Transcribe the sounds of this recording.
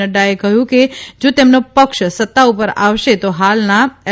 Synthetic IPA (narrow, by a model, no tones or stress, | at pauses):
əɖaekəjũked͡ʒot̪emnopəkʃsət̪ːaupəɾa̰ʋʃet̪oɦalna